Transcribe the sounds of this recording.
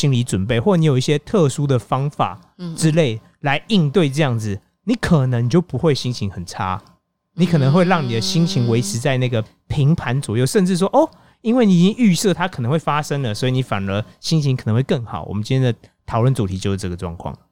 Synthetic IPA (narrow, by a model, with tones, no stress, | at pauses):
ɕi˦˥ŋli˧˥ʈ͡ʂwə˨˩npe˥˩ɪwɔ˥˩˧i˧˥jo˨˩ʊi˥˩ɕjɛ˥t̪ʰɤ˥˨˩su˥d̪ə˨fɑ˥ŋfa̰˨˩ | ʈ͡ʂɻ̩˦˥le˥˩ɪ | la˧˥ɪi˥˧nt̪we˥˧ɪʈ͡ʂɤ˥˧jɑ˥˩ŋd͡zɹ̩˨˩ | ni˨˧˥kʰə˨˩nə˧˦ŋi˨t͡ɕjo˥˩ʊpu˧˦xwe˥˩ɪɕi˥ŋt͡ɕʰi˧˦ŋxə˨˩nʈ͡ʂʰa̰˦˥ | ni˨˦˥kʰə˨˩nə˧˦ŋxwe˥˧ɪɻɑ˥˩ŋni˨˩d̪ə˨˦ɕi˥ŋt͡ɕʰi˧˥ŋwe˧˥ɪʂɻ̩˧˥t͡sa˥˧ɪna˥˩ɡə˩ | pʰi˧˦˥ŋpʰa˧˦nt͡swɔ̰˨˩jo˥˩ʊʂə˥˧nʈ͡ʂɻ̩˥˩ʂ̬wɔ˥ʔo˥˩ | i˥nwe˥˩ɪni˨˥˨t͡ɕi˥ŋy˥˧sɤ˥˨t̪ʰa˥kʰə˨˩nə˧˦ŋwe˥˩fa˦˥ʂə˥ŋlə˨swɔ˧˥i˨ni˧˥fa̰˨˩nə˧˦ɕi˥ŋt͡ɕʰi˧ŋkʰə˨˩ə˧˦ŋxwe˥˧ɪkə˥˩ŋxɑ̰˨˩ʊwɔ̰˨˩mə˦nt͡ɕĩ˥nʰjɛ˥nd̪ə˨˩t̪ʰɑ˨˩ʊlwə˥˩nt͡su˨˩t̪ʰi˧˥t͡ɕo˥˧ʊ˥˩ʈ͡ʂɤ˥˩ɡə˩ʈ͡ʂwɑ̰˥˧ŋkʰwɑ̰˥˩ŋ